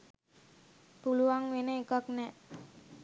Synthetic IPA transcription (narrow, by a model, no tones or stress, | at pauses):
puluaŋʋenəekaknɛ